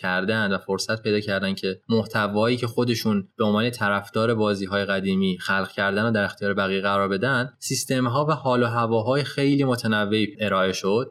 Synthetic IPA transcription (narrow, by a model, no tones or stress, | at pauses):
cʰæɾd̪ænd̪væfoɾsæt̪pe̞jd̪ɒːcʰæɾd̪æncʰe̞moht̪ʰævɒːiːcʰexo̞d̪e̞ʃuːnb̥e̞onvɒːne̞t̪ʰæɾæfd̪̥ɒːɾe̞bɒːziːɦɒːje̞ɣæd̪iːmiːxælɣ̥cʰæɾd̪ænoːd̪æɾe̞xt̪ʰijɒːɾebæɣijɣæɾɒːɾbe̞d̪ænd̪sist̪e̞mɦɒːvæhɒːloɦævɒːɦɒːjexe̞jliːmot̪ʰenævːeiʔe̞ɾɒːe̞ʃo̞d̪̥̚